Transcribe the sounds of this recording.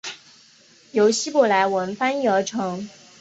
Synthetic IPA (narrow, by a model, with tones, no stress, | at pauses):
jo˧˥ʊɕi˥pɔ˨˩la˧˥ɪwə˧˥nfa˥ny˥ə˧˥ʈ͡ʂʰɤ˧˥ŋ